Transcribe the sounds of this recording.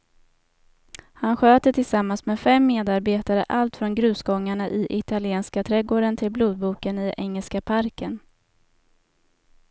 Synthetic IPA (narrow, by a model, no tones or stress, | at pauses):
hanɧøːt̪ət̪ʰɪlsamːansmeːfɛmːeːd̪aɾbeːt̪aɾə̰ʔalt̪fɾɔnɡɾʉ̟ːsɡɔŋːaɳaʔɪʔɪt̪alɪeːnskat̪ʰɾɛɡoːɖənt̪ʰɪlbluːd̪̚buːkənɪʔɛŋːəlskapʰaɾkən